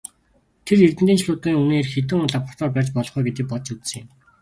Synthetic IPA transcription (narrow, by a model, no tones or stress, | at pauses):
t̪ʰerert̪ɘ̆nt̪iːnt͡ɕʰɮʊːt̪ʁiːŋuneːrxet̪ɘ̆ŋʊɮapə̆r̥t̪ɔːrpæːrʲt͡ɕpɔɮɞ̆χujɡet̪ĭːk̚pɔtt͡ɕut͡ssɘ̆ŋ̆m